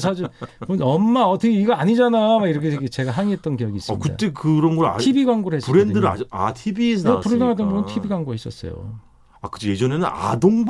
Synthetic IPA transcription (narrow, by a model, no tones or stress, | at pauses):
s̬ʰad͡ʑiponʌmːaʌt͈ʌkʰeiɡaaɲid͡ʑanamaiɾʌkʰeeɡet͡ɕe̞ɡaɦaŋiɦet̚t͈ʌnkijʌɡiːs͈m̰ːkɯ̰da̰t͈e̞kɯɾʌnɡʌɾa̰ibiɡwaŋɡoɾɯɭhesɾendɯɾɯa̰a̰tʰibisʰpuɾɯɡaŋɦad̬͈ʌnboɯntʰibiɡwaŋɡuhes͈ʌs͈ʌ̰jo̰ | akɯd͡ʑije̞d͡ʑʌne̞nɯna̰doŋb